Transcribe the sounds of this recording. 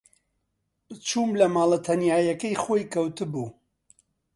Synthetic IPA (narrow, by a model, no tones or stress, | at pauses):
bɨt͡ʃʰuːmlɐmaːlˠɐt̪ʰɐnjaːjɐkɐjxoːjkɐwt̪ɨbuː